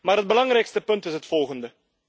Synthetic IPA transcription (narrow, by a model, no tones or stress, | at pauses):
maːrɦət̚bəlɑŋrɛjkstəpɵntəsɦətfɔlˠχəndə